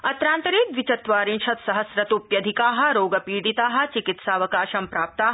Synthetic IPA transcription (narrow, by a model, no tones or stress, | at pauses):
ɐt̪ɾaːnt̪ɐɾiːt̪ʋit͡ʃɐt̪ʋaːɾĩnʃʰɐt̪sɐɦɐsɾɐt̪upjɐd̪ʱikaːɦɐ̆ɾoːɡɐpiːɽit̪aːɦɐ̆t͡ʃikit̪saːʋɐkaːʃɐmpɾaːp̚t̪aːɦɐ